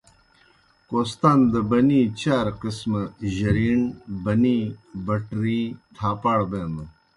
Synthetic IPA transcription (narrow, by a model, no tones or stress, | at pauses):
koːst̪aːnd̪ɐbɐniːt͡ɕaːɾqismɐʑɐɾiɳbɐnĩbɐʈɾĩːt̪ʰaːpaːɽbeːnɐ